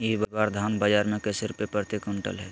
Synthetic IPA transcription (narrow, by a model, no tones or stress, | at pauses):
ibəbaɾd̪ʱanbəd͡ʒaːɾmẽkesɪɾpepɾɾt̪ikʊɳʈə̰lɦɛ